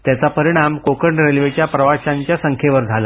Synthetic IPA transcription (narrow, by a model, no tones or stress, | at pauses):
t̪jat͡sapəɾiɽ̃amkokəɳɖɾelʋet͡ɕjapɾəʋaɕaɲt͡ɕjasəŋkʰjeʋəɾd͡zʱala